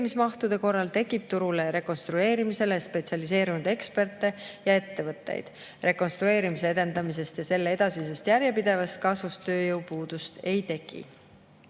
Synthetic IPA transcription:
mismɑht̪ud̪̥e̞ko̞rːɑlt̪e̞kːˑip̚t̪uɾule̞ɾe̞ko̞nst̪ɾue̞ːɾimise̞lespe̞t̪siɑlise̞ːɾunud̪̥e̞kspe̞rt̪ːˑe̞jɑe̞t̪ːe̞vɤt̪ːˑḛjd̪̥ | re̞ko̞nst̪ɾue̞ːɾimis̬e̞e̞d̪̥e̞nd̪ɑmise̞st̪jɑse̞lːee̞d̪̥ɑsise̞st̪jæɾjepid̪̥e̞vɑst̪̚kɑsvust̪ø̞ːjɤwpuːd̪̥ust̪e̞jt̪e̞kˑḭ

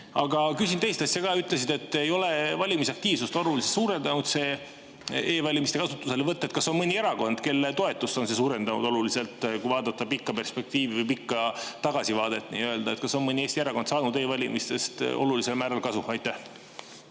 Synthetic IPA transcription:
ɑɡɑkysʲint̪e̞jst̪ɑsʲjɑkɑːyt̪ːˑle̞s̬id̪e̞t̪ːejo̞le̞vɑlʲimisɑk̚t̪iːvsust̪o̞lulisesuːɾe̞nd̪ɑnud̪̥se̞ː | eːvɑlʲimist̪e̞kɑsut̪ːˑuse̞levɤt̪ːɑet̪kɑso̞nmɤnʲieɾɑko̞nd̪̥ke̞lːet̪o̞e̞t̪ːˑust̪ːo̞nse̞s̬uːɾe̞nd̪̥ɑnṵd̪̥o̞lulise̞lt̪ˑkujvɑːd̪̥ɑt̪ːɑpikːɑpe̞rspe̞k̚t̪iːvivɨjpikːɑt̪ɑɡ̥ɑsivɑːd̪̥e̞t̪nḭːøld̪ɑet̪̚kɑso̞nmɤnʲieːst̪ieɾɑko̞nd̪sɑːnud̪eːvɑlʲimʔist̪e̞st̪ʔo̞̰lulise̞lmæːɾɑlkɑsuɑjt̪ːˑæh

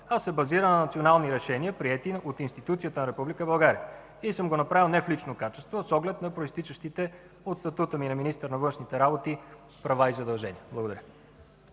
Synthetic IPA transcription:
asːɛbɐziɾənɐnɐt̪sionalˠniɾɛʃɛniəpɾiɛt̪iot̪inst̪it̪ut̪siət̪ənɐɾɛpublikəbɐlˠɡaɾiə | isɤmɡonɐpɾavilˠnɛflit͡ʃnokat͡ʃɛst̪vosɔɡlɛt̪nɐpɾoist̪it͡ʃəʃt̪it̪ɛ | ot̪st̪ɐt̪ut̪əminɐminist̪əɾnɐvɤnʃnit̪ɛɾabot̪i | pɾɐvaizɐd̪ɐlˠʒɛniəblˠɐɡod̪ɐɾʲə

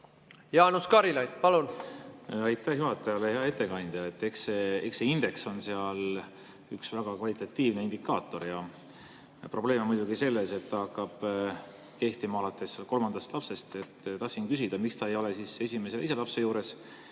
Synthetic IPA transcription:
jɑːnuskɑɾilɑjd̪pɑlun | ɑjt̪ːˑæhjuɦɑt̪ːˑɑjɑleheɑe̞t̪ːˑe̞kɑnʲd̪̥ɑet̪ːe̞kseekseind̪e̞kso̞nse̞ɑl | yksvæɡ̥ɑkvɑlit̪ːˑɑt̪ːiːvne̞ind̪̥ikːˑɑːt̪ːˑo̞rjɑ | pro̞ble̞ːmmujd̪̥uɡise̞lːe̞se̞t̪ːɑɑkːɑb̥ | ke̞ht̪imɑɑlɑt̪ːˑe̞slko̞lmɑnd̪̥ɑst̪lɑpse̞st̪e̞t̪ːt̪ɑhsinkysid̪̥ɑmikst̪ɑejo̞lesiːse̞sʲime̞seijselɑpse̞juːɾe̞s

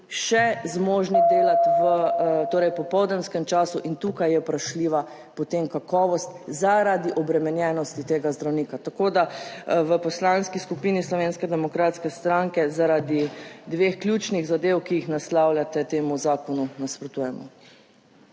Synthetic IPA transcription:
ʃɛzmoːʒnid̪eːlat̪ʋət̪oːɾɛjpɔpɔwd̪nɛnskɛmt͡ʃaːsuʔint̪ukajɛpɾaʃliːʋa | pɔt̪emkakɔːʋɔst̪zaɾad̪iʔɔbɾɛmɛnjɛnɔst̪it̪eːɡazd̪ɾawniːkat̪akod̪aʋəpɔslanskiskupinislɔʋenskɛd̪ɛmɔkɾaːt̪skɛst̪ɾaŋkɛzaɾad̪id̪ʋeːxklʲjut͡ʃniɣzad̪ewkiixnaslawlʲjat̪ɛt̪eːmuzaːkɔnunaspɾɔt̪uːjɛmɔ̰

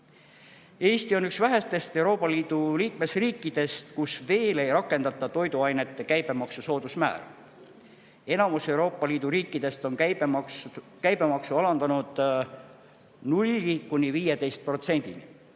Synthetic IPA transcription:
e̞ːst̪io̞nyksvæɦest̪e̞st̪e̞uɾo̞ːpːˑɑliːd̪̥uliːkme̞sriːkːˑid̪̥e̞st̪kusve̞ːle̞jɾɑkːˑe̞nd̪̥ɑt̪ːˑɑt̪o̞jd̪uɑjne̞t̪ːˑe̞kæjb̥e̞mɑksuso̞ːd̪usmæ̰ːɾ | e̞nɑmuse̞wɾo̞ːpˑːɑliːd̪̥uɾiːkːˑid̪̥e̞st̪o̞n | kæjb̥e̞mɑksuɑlɑnd̪ɑnud̪̥ | nulʲːikunʲiviːjed̪e̞jst̪̚pro̞t̪se̞nʲd̪̥inḭ

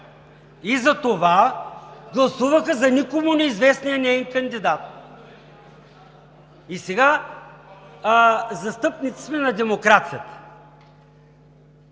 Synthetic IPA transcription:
izɐt̪ova | ɡlˠɐsuvəxəzɐnikomʊnɛizvɛsnijənɛinkɐnd̪id̪at̪̚ | isɛɡa | zɐst̪ɤpnit̪si̥smɛnɐd̪ɛmokɾat̪sijət̪ə̥

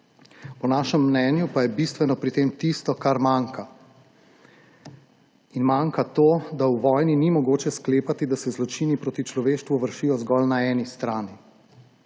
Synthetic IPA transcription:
pɔnaːʃɛmːnɛːnjupajɛbist̪ʋɛnɔpɾit̪emt̪ist̪ɔkaɾmaŋka | inmaŋkat̪oːd̪awʋɔːjninimɔɡoːt͡ʃɛskleːpat̪id̪asɛzlɔt͡ʃinipɾoːt̪it͡ʃlɔʋeːʃt̪ʋuʋəɾʃiːjɔzɡɔlnaɛːnist̪ɾaːni

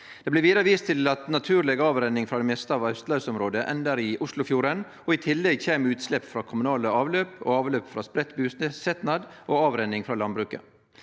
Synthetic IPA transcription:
d̪̥ɛːblɪʋiːd̪əɾəʋiːst̪ʰɪlɑt̪nɑt̪ʰʉːɾlɛɡɑːʋɾɛnːɪŋfɾɑd̪ɛmeːst̪əɑːʋɑʉst̪lɑʉsɔmɾoːd̪əʔɛ̰nd̪əɾɪʔʊslʊfjuːɾɛn | ɔɪt̪ʰɪlːɛɡçeːmʉːt̪slɛpːfɾɑːkʰʊmʉnɑːləɑːʋløːpo̰ːɑːʋløːpfɾɑspɾɛt̪ːbʉːssɛt̪nɑd̪ʔoːɑːʋɾɛnːɪŋfɾɑːlɑnd̪bɾʉːkə̰

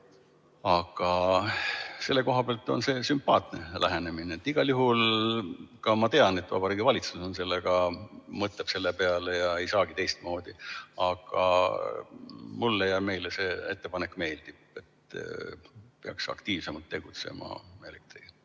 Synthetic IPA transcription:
ɑɡ̥ɑ | se̞lːe̞ko̞ɦɑb̥eɑlt̪ːˑo̞̰nse̞ːsympːɑːt̪ne̞læɦene̞mineːt̪ːˑiɡ̥ɑljuɦul | kɑmɑt̪e̞ɑne̞t̪ːvɑ̰bɑɾiːɡivɑlʲit̪suso̞nse̞lːeɡɑmɤt̪ːˑeb̥se̞lːepe̞ɑle̞jɑejsɑːɡ̥it̪e̞jst̪̚mo̞ːd̪̥iɑɡ̥ɑ | mulːejɑme̞jlese̞ːe̞t̪ːe̞pɑnekːˑme̞ːld̪̥ib̥̚e̞t̪ | peɑ̰ksɑ̰kt̪iːvsemɑlt̪ːe̞ɡ̥ut̪se̞̰mɑ̰elekt̪ri

